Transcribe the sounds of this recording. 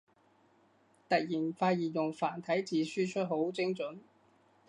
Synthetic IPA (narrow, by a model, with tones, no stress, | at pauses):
t̪ɐ˨k̚jiː˨˩nfaː˧jiː˨˩jʊ˨˩ŋfaː˨˩nt̪ʰɐ˨˥jt͡siː˧syː˥t͡ʃʰɵ˥t̚ɦo˨˥wt͡sɪ˥ŋt͡sɵ˨˥n